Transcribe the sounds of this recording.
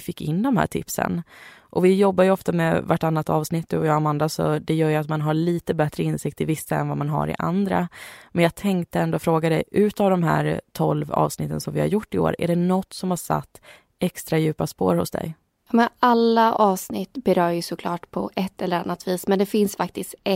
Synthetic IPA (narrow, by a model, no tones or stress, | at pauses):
fɪkːɪnːd̪ɔmhæ̰ːʈʰɪ̰psə̰nʔɔvɪjɔbːajɵɔft̪amɛvaʈːanːat̪ɑːvsnɪt̪ːd̪ɵ̰ɔjɑːɡamand̪asɔ̰d̪ɛjœːɾjɵat̪manɦaɭiːt̪əbɛt̪ɾəɪnsɪk̚t̪ʰɪvɪsːaɛ̰nvamanɦa̰ɾɪ̰ʔa̰nd̪ɾa̰mɛnjɑːɡ̚t̪ʰɛŋk̚t̪əɛnd̪ofɾoːɡad̪ɛjʔʉ̟ːt̪avd̪ɔmɦæ̰ːɾt̪ʰɔlvɑ̰ːvsnɪt̪ːənsɔmvɪha̰ɾjʊʈːɪo̰ːɾæ̰ɖɛnɔt̪ːsɔmhaʂa̰t̪ː | ʔɛkst̪ɾajʉ̟ːpaspo̰ːɾhʊsd̪ɛ̰j | jɑmɛalːaʔɑːvsnɪt̪ːbɛɾœːɾjɵsɔkʰlɑːʈpʰɔ̰ʔɛt̪ːɛlːəɾanːat̪viːsmɛnd̪ɛfɪnsfak̚t̪ɪst̪ɛ